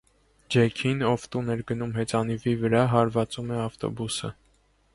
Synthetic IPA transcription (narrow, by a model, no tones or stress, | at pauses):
d͡ʒɛkʰinɔvt̪unɛɾɡənumɦɛt͡sɑnivivəɾɑɦɑɾvɑt͡sumɛɑft̪ɔ̰busə̰